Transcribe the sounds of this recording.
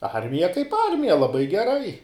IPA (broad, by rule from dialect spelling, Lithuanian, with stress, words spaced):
ˈɐrʲmʲɪjɛ kɐɪp ˈɐrʲmʲɪjɛ lˠɐˈbɐɪ ɡʲɛˈrɐɪ